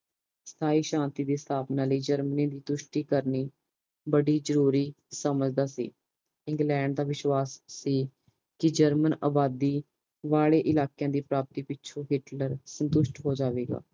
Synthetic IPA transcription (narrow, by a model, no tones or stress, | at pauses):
st̪ʰaːiːʃãːnt̪iːd̪eːst̪ʰaːpnaːləiːd͡ʒəɾmnĩːd̪iːt̪ʊʃʈiːkəɾniː | bəɖiːd͡ʒəɾuːɾiː | səməd͡ʒd̪aːsḭː | ɪ̃ŋɡlɛ̃ːɳɖ̚d̪aːʋɪʃwaːsːiː | kɪd͡ʒəɾməna̰ːbaːd̪iː | ʋaːɭeːʔɪlaːkijãːd̪iːpɾaːp̚t̪iːpɪt͡ʃʰõːɦɪʈləɾsənt̪ʊʃʈɦoːd͡ʒaːʋeːɡa̰ː